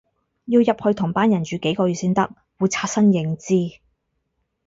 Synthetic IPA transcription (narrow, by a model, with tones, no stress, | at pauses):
jiː˧wjɐ˨p̚hɵ˧ɥt̪ʰʊ˨˩ŋpaː˥njɐ˨˩nt͡ʃyː˨˧ke˨˥jkɔː˧ɥyː˨˩siː˥nt̪ɐ˥k̚ | wu˨˧jt͡sʰaː˧t̚sɐ˥njɪ˨˧ŋt͡siː˥